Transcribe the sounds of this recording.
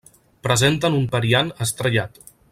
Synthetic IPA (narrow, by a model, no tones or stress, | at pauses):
pɾəzent̪ənumpəɾianəst̪ɾəʎat̪